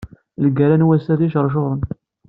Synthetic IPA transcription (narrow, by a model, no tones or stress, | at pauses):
ləɡæɾænwæsæθiʃəɾˤʃ̬oʁɾˤən